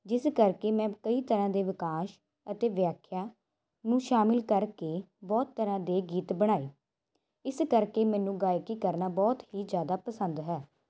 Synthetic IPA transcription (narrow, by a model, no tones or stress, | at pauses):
d͡ʒɪskəɾkeːmɛ̃ːkəiːt̪əɾãːd̪eːʋɪkaːʃ | ət̪eːʋjaːkʰjaː | nũːʃaːmɪlkəɾkeːbɔːt̪ːəɾãːd̪eːɡiːt̪bəɽ̃aːiː | ɪskəɾkeːmɛ̃ːnũːɡaːjkiːkəɾnaːbɔːt̪ɦiːd͡ʒjaːd̪aːpəsənd̪ɦɛː